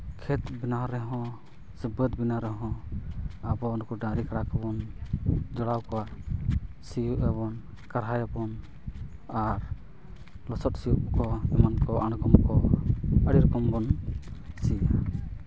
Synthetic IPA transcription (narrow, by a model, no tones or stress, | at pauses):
kʰɛt̪̚binaɾɛɦɔ̃ | səbət̪binaɾɛɦɔ̃ | abɔnukuɖaɾikaɽakɔbɔn | d͡ʒɔɽawkɔwaʔ | sijuʔɛβɔn | kaɾɦajɔbɔn | aɾ | lɔsɔt̪̚sijuʔkɔɛmankɔʔanɔɡɔmkɔəɽiɾkɔmbɔn | sia